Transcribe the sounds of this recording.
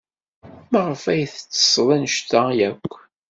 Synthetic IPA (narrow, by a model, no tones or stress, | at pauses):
mæʁəfæjθət͡sːə̥sˤlˤænəʃt̪æjækʷː